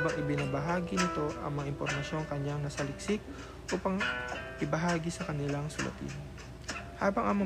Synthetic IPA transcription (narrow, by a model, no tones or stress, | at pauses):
bɐŋʔɪpɪnabɐɦaːɡɪnɪt̪o̞ʔɐ̰ŋmɐŋaʔɪmpoɾmɐʃjo̞ŋkɐɲaŋnɐsɐlɪk̚sɪk̚ | ʔuːpɐŋpɪbɐɦaːɡɪsɐkɐnɪlaŋsʊlʔɐ̰t̪ɪ̰n | haːbɐŋʔamo